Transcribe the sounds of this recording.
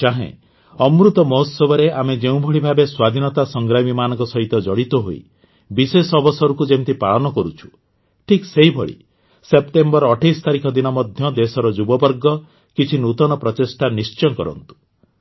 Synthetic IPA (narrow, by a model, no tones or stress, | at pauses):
t͡ʃaɦḛ̃ | ɔmɾut̪ɔmɔɦɔt̪sɔbɔɾeamed͡ʒeũbʱɔɭibʱabeswad̪ʱinɔt̪asɔŋɡɾamimanɔ̃ŋkɔsɔɦit̪ɔd͡ʒɔɽit̪ɔɦo̰ḭ | bisesɔbʱɔsɔɾukud͡ʒemt̪ipaɭɔnɔkɔɾut͡ʃʰu̥ | ʈʰikseɦibʱɔɭḭ | sep̚ʈembɔɾɔʈʰajst̪aɾikɔd̪inɔmɔd̪ʱjɔd̪esɔɾɔd͡ʒubɔbɔɾɡɔ | kit͡ʃʰinut̪ɔnɔpɾɔtesʈanist͡ʃɔnkɔɾɔ̰nt̪u̥